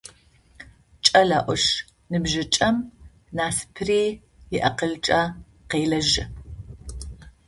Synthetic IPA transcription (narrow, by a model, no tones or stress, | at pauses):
t͡ʃʼɐlaːʔʷɔʂ | nɨbʒɨt͡ʃʼɐm | naːsɨ̥pʰɨriː | jɪʔɐqəɮt͡ʃʼɐ | qeːlɐʒɪ